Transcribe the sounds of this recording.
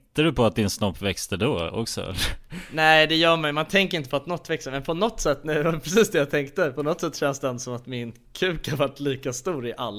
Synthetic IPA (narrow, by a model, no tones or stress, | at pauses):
t̪ːaɾɵpʰɔat̪̚d̪ɪnsnɔpːvɛkst̪əd̪oːɔ̰ksɔ̰ɛ̰lːəɾnæɪd̪ɛjœːmajmant̪ʰɛŋkəɾɪnt̪əpʰɔat̪nɔt̪ːvɛksəmɛnpʰɔnɔt̪ːsɛt̪ːnɛvapʰɾɛsiːsd̪ɛjat̪ʰɛŋkt̪əpʰɔnɔt̪ːsɛt̪ːʃɛnsd̪ɛɛnsɔmat̪mɪn | kʰʉ̟ːkhaɾvaʈːliːkast̪uːɾɪʔalːa